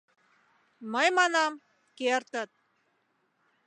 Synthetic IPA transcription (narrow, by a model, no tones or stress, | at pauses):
məjmɑnɑm | kert̪ə̆t̪̚